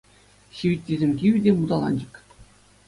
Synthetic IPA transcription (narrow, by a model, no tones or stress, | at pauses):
ɕiʋʲitʲːizʲemʲkʲiʋʲidʲemud̪ɑlˠɑ̰nʲd͡ʑɤ̆k